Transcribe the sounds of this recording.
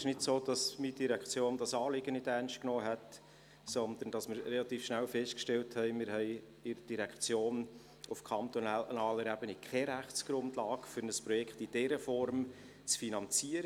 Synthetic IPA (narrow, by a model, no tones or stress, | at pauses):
ɪʃnɪtsoːd̥ɑsmid̥iɾækχt͡sjoːnd̥ɑsɑːlɪɡənɪtærnʃt̚knoːɦɛt | sɔnd̪ən̩d̥ɑsmɪɾrelɑt̪iːfʃnælfɛst̚kʃtɛlthɛɪmɪɾɦɛɪ | ɪɾəd̥iɾɛkʰt͡sjoːn | ufkʰɑnt̪ɔnnɑːləɾæbənikχɛɾæχtt͡sɡ̥ɾʊndlɑːkfʏɾnəspɾɔjɛkχtid̥ɛɾəfɔɾm | t͡sfinɑnt͡siəɾə